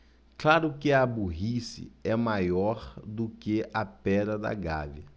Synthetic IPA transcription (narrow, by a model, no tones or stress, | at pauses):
klaɾʊkɪabuɦisḭɛmajɔɾd̪ʊkeʔɐpɛd̪ɐd̪ɐ̰ɡa̰viɐ